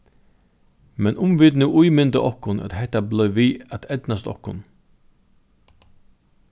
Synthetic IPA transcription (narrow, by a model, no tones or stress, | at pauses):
mɛnʔʊmvɪːd̪nuʔujmɪnt̪əʔɔhkʊnæ̰t̪hɛht̪ːablœɥʋiːæt̪ʰɛd̪nast̪ɔ̰hkʊ̰n